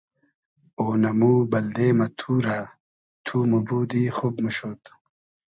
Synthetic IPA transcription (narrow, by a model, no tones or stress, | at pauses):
oːnɐmuːbɐld̪eːmɐt̪ʰuːɾa | t̪ʰuːmubuːd̪iːxobmuɕoːt̪